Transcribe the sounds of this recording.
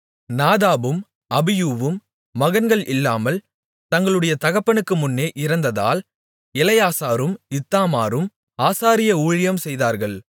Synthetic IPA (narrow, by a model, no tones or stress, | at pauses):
naːðaːbɯm | ɐbɪjuːʋɯmː | ɐɣɐnɡɐɭɪlːaːmɐl | t̪ɐŋɡɐɭɯɽɐjɐt̪ɐɣɐpːɐnɯkːɯmʊnːeːʔɪɾɐnd̪ɐða̰ːl | ɛlɐjaːsaːɾɯmɪt̪ːaːmaːɾɯm | aːsaːɾɪjɐuːɻɪjɐmsɛjðaːɾɣɐɭ